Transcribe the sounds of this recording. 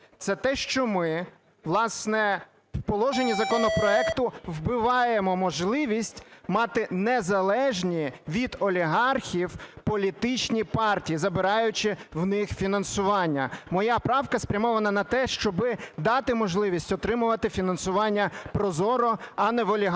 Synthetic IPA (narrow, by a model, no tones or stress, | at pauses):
t̪sɛt̪ɛʃt͡ʃɔmɪ | ʋlˠɑsnɛ | wpɔlˠɔʒenʲizɐkɔnɔpɾɔɛkt̪ʊwbɪʋɑjemɔmɔʒlˠɪʋʲisʲtʲmɑt̪ɪnezɐlˠɛʒnʲiʋʲid̪ɔlʲiɦɑrxʲiwpɔlʲit̪ɪt͡ʃnʲipɑrtʲijizɐbɪɾɑjʊt͡ʃɪwnɪxfʲinɐnsʊʋɑnʲːɐmɔjɑpɾɑwkɐspɾʲɐmɔʋɐnɐnɐt̪ɛʃt͡ʃɔbɪd̪ɑt̪ɪmɔʒlˠɪʋʲisʲtʲɔt̪ɾɪmʊʋɐt̪ɪfʲinɐnsʊʋɑnʲːɐpɾɔzɔɾɔɐnɛʋɔlʲiɦ